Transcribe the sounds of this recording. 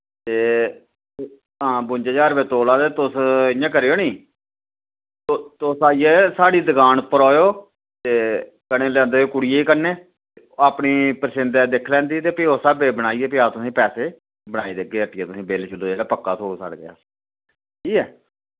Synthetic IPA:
t̪eː | ɦãːbʊɲd͡ʒad͡ʒaːɾbeːt̪oːlãːt̪eːt̪ʊsɪãːk̬əɾeːoːnĩː | ot̪osaːiɛːsaːɽiːd̪əɡaːnpəɾɔːjoː | t̪eː | kənẽːlɛ̃ːnd̪eːoːkʊɽiːeːiːkəɾnẽː | e | aːpɳiːpəɾsɪnd̪ɛːd̪ekʰlɛ̃ːnd̪iːɛt̪eːpiːoːsabeːbəɽ̃aːiːɛːp̬ɪaːt̪ʊsĩːpɛːseː | bəɽ̃aːiːd̪eɡeːəʈːɪɛːt̪ʊsĩːbeːlt͡ʃəlːoːd͡ʒeːɽaːpəkːaːt̪ʰoːsa̰ɽɡa̰ː | ʈʰiːkɛː

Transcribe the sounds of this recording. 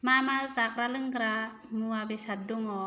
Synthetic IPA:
mamalzakɾalɯŋɡɾa | muabesaduŋɔ

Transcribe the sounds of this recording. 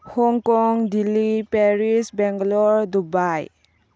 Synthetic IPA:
hɔŋkɔŋdilipeɾisbɛŋɡlɔɾdubaj

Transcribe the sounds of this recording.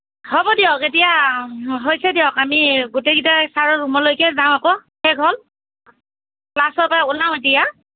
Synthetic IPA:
hɔbɔdiɔketijaɦojsɛdiɔkamiɡuteɡitasaɹɔɹumɔlojkɛzaʊ̃akɔxɛɡʱɔl | plasɔɹpaʊnaʊ̃etija

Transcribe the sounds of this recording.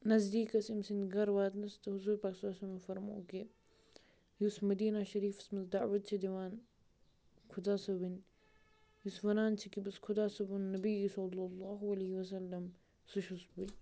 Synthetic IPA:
nɐzd̪iːkɐsimsinɡɐɾwaːt̪nɐst̪ɐɦuzuːɾpaːksalsɐmɐfɐɾmo̰ːki | jusmɐd̪iːnaʃɐɾiːfɐ̥smɐzd̪aʕwɐt̪̚t͡ʃʰid̪iwaːn | kʰud̪aːsɐbin | jusfɐnaːnt͡ʃʰikibɐskʰʊd̪aːsɐbunːɐbisɐlːɐlːɑːɦɐlɐhiwɐs̬ɐlːɐm | suʃusbunʲ

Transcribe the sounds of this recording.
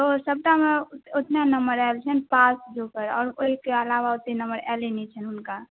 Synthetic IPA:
t̪osəb̚ʈameot̪nanəmbəɾɛlt͡ʃʰənpasd͡ʒopəɾɔːɾoɦikeəlawaot̪ninəmbəɾɛ̰lenit͡ʃʰənunka

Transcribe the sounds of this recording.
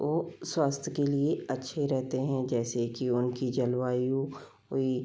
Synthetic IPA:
ʋoːswaːst̪ʰjəkelieɐtːʃʰeɾɛɦt̪eɦɛ̃d͡ʒɛːsekiʊnkid͡ʒɐlwaːju | oːi

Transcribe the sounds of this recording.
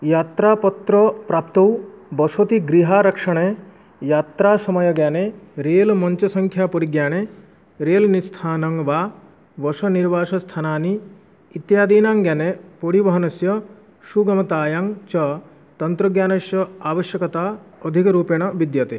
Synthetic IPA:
jaːt̪ɾaːpɔt̪ɾɔpɾaːpt̪owbɔsot̪iɡɾiɦaːɾɐkʂɐɽ̃e | jaːt̪ɾaːsɐmɐjɐɡjaneɾeːlmɔɲt͡ʃɐsɐŋkʰjaːpoɽiɡjaːɽ̃e | ɾeːlnist̪ʰaːnɐŋʋaː | ʋɔsɐniɾʋaːʃɐst̪ʰanaːniː | t̪jaːd̪iːnaːŋɡjanepoɽibɐɦɐnɐsjɐ | ʃuɡɐmɐt̪aːjaŋt͡ʃɐ | t̪ɐnt̪ɾɐɡjaːnɐʃjɐaːʋɐʃjɐkɐt̪aːɔd̪ʱikɾuːpeɳ̃ɐʋid̪jɐt̪e

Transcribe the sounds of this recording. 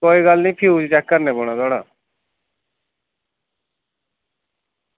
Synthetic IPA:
koːiːɡəlnĩːpʰiuːd͡ʒt͡ʃɛkːəɾneːboːɽ̃ãt̪aːɽaː

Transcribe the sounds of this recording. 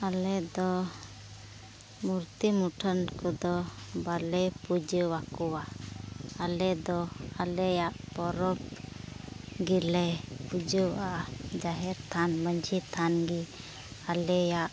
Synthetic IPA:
alɛd̪ɔ | muɾt̪imuʈʰənkɔd̪ɔbalɛpud͡ʒəwakɔwa | alɛd̪ɔalɛjaʔpɔɾɔp̚ | ɡilɛpud͡ʒəwʔad͡ʒaɦɛɾt̪ʰanməɲd͡ʒit̪ʰanɡi | alɛjaʔ

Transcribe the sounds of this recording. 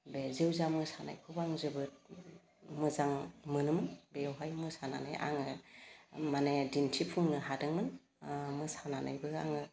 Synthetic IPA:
bezewzamɯsana̰jpʰubaŋzɯbɯt̚ | mɯzaŋmɯnɯmɯnbewɦajmɯsana̰na̰jʔa̰ŋɯ | manedintʰipʰuŋnɯɦadɯŋmɯn | mɯsanana̰jbɯa̰ŋɯ

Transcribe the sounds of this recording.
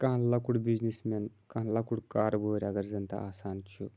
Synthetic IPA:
kɐɦlɐkuɽbiznismenkɐɦlɐkuɽkaːɾbʱoːɾʲɐɡɐɾzɐnt̪a̰aːsaːnt͡ʃʰu

